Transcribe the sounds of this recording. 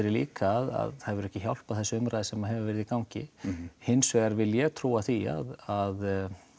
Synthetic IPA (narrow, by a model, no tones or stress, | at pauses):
ɾɪlḭːkaːða̰ðθaðvɛɾɛhcɪçawl̥paðθɛsːʏʏmɾʔajðɪsɛmaðɦɛvʏvɛɾɪðikawɲcɪ̰hɪnsvɛɣaɾvɪljɛt̪ʰɾuːaθia̰ðað